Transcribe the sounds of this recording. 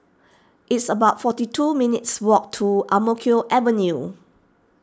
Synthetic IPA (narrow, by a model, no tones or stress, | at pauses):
ʔɪtsəbaʊtfɔtitʰuminitswɔk̚tʰːuʔamokʰioʔɛvənju